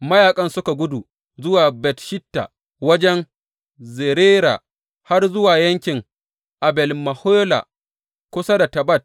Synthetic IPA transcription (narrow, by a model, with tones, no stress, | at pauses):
mɐ˦jaː˨kʼɐ˦nsʊ˦ka˨ɡʷʊ˦du˨ | zʊ˦waː˨bɛ˨tʃɪ˦tːa̰˨ | wɐ˦d͡ʒɛ˦n | ze˨ɾeː˦ɾa̰ː˨ | ha˦rzʊ˦waː˨jɐ˦ŋkʲɪ˨ŋ | ʔa˨bɛ˨lmɐ˨hoː˦la̰˨ | kʷʊ˦sa˦da˨tɐ˨bɐ˦˨t̚